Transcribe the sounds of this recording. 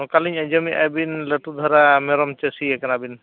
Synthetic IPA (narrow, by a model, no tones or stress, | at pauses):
kaliɲad͡ʒɔmiʔa̰jbinleʈud̪ʱɔɾamɛɾɔmt͡ʃesiɛkanabin